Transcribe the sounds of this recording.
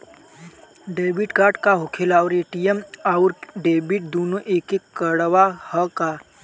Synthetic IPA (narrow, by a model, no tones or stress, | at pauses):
ɖeːbiʈkaːɾʈkaɦokʰelawɾeʈijəmawɾɖeːbiʈ̚d̪oːnoʔeːkekːəɽʋahəka